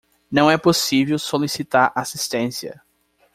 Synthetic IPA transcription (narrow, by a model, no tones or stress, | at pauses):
nɐ̃w̃ɛposivewsolisit̪aɾaːsist̪ẽsiɐ̰